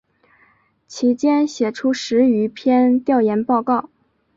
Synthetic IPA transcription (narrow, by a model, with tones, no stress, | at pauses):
t͡ɕʰi˧˥t͡ɕjɛ˥nɕjɛ˨˩ʈ͡ʂʰu˥ʂɻ̩˧˥y˧˥pʰjɛ˥nt̪jɑ˥˩ʊjɛ˧˥npɑ˥˧ʊkɑ˥˩ʊ